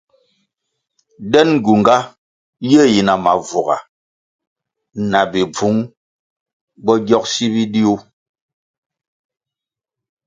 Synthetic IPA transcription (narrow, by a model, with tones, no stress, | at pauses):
dɛ˦n˨ɡu˨ŋɡa˦ | je˦˨ji˨na˨ma˨vu˨ɣa̰˨ | na˨bi˨b͡vu˨˦ŋ | bɔ˦ɡjɔ˦k̚si˦bi˦di˦o˦